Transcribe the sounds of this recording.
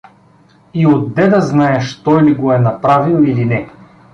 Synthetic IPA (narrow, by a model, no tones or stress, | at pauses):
iod̪ːɛd̪ɐznaɛʃt̪ɔjliɡoɛnɐpɾavilˠilinɛ